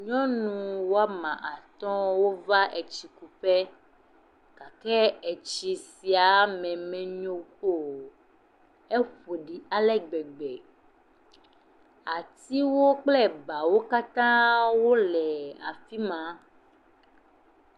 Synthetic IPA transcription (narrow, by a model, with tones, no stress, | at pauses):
ɲɔ̃˦nũ˨wo˦a˦mã˨ʔa˨t̪ɔ̃˦wo˦va˦ʔe˨t͡ɕi˨ku˨ɸɛ˦ | ka˨kɛ˦ɛ˨t͡ʃi˨si˨a˨mɛ̃˨mɛ̃˨ɲõ˦o˦˨ | e˦ɸo˨ɖi˨a˦lɛ˦ɡ͡bɛ˨ɡ͡bɛ˨ | a˨t̪i˦wo˦k͡plɛ˦ba˨wo˦ka˦t̪ã˦wo˦lɛ˨a̰˨fi˦mã˨˦